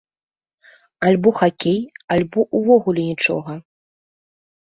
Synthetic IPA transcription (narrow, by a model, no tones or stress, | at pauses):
alʲbɔxakʲejalʲbɔʔuvɔɣulʲɛnʲit͡ʂɔ̰ɣɐ